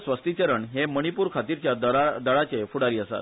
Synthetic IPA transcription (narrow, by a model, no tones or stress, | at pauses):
sʋəst̪it͡ɕəɾəɳɦeməɽ̃ipuːɾkʰat̪iɾt͡ɕjad̪d̪əɭat͡sefuɽaɾiːəsa̰t̪